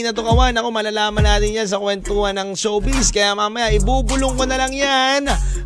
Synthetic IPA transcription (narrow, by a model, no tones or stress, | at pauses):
nɐt̪ʊkɐwanɐko̞mɐlalaːmɐnaːt̪ɪɲjans̬ɐkwɛnt̪ohɐnɐŋsowbiskɐjamaːmɐjaʔɪbuːbʊloŋkonɐlɐŋjan